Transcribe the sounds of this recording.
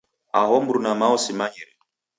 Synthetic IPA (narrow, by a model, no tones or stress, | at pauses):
a̰ɦɔmbuɾunamaɔsimaɲɛɾɛ